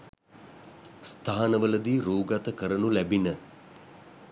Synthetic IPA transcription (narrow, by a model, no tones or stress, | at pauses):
st̪ʰaːanəʋələd̪iːɾuːɡat̪əkəɾənulæbinə